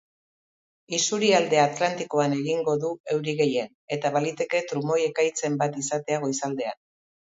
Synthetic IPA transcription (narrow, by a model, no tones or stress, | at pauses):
isuɾiald̪e̞at̪lant̪iko̞ane̞ɣiŋɡo̞ðue̞wɾiɣe̞je̞n | e̞t̪aβalit̪e̞ke̞t̪ɾumo̞je̞kajt͡se̞mbat̪isat̪e̞aɣ̞o̞isald̪e̞a̰n